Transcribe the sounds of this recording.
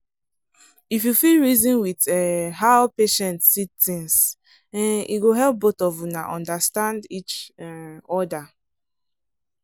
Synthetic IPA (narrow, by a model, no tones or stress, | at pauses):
ifjufilɹizɔ̃nwitɛhaʊpeʃɛ̃ntsitθĩŋs | ɛ̃nḭɡoɦɛlp̚botɔvunaʔɔ̃ndastãndit͡ʃ | ɔda